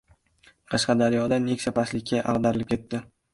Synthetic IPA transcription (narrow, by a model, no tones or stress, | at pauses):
qʰɑʃqɑd̪aɾjɒd̪anekʲsʰapaslɪkʲʰːaʔa̰ʁd̪aɾɪlɪp̚kʲʰe̞t̪ʰːɪ